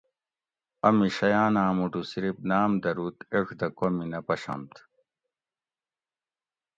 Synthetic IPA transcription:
ɐmiɕɐjaːnaːmuʈusiɾip̚naːmd̪ɐɾuːt̪eʂd̪ɐkominɐpɐɕɐ̰mt̪

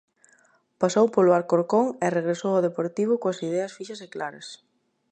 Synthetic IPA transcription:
pasowpoloaɾkoɾkoŋereɣɾesowɔðepoɾt̪iβ̞ʊkoɐsiðɛɐsfiʃɐseklaɾɐ̰s

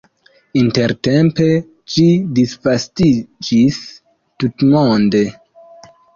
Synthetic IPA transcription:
inte̞ɾte̞mpe̞ | d͡ʒidisvastid͡ʒis | tutmonde̞

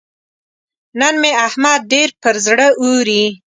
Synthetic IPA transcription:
nənmeahmad̪̚ɖeɾpəɾzɽəʔuɾi

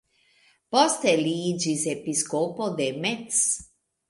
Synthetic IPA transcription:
pɔst̪ɛliːd͡ʒizepiskopod̪ɛmet̪s

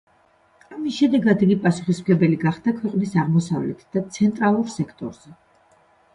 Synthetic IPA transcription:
amisʃɛd̪ɛɡad̪iɡipʼasu̥χisplɛbɛliɡaχd̪̥akʰwɛqʼnisaʁmɔsavlɛt̪ʰd̪̥at̪sʰɛnt̪ʼɾalˠuɾsɛkʰt̪ʼɔ̰ɾz̥ɛ

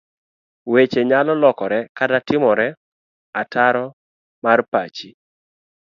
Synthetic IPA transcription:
wet͡ʃeɲalɔlɔkɔɾɛkatatɪmɔɾɛ | ataɾɔ | marpat͡ʃi

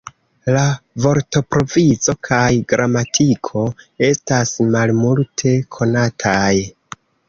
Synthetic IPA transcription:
lavo̞ɾto̞pɾo̞vizo̞kʰajɡɾʔamatʰikʰo̞e̞stasmalmultʰe̞kʰo̞natʰaj

